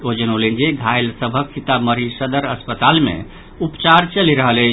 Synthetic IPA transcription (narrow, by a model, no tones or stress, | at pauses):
od͡ʒənolind͡ʒeɡʱajlsəbʱəksit̪aməɾisəd̪əɾə̰spət̪almḛ̃ | upt͡ʃaɾt͡ʃəliɾəɦələ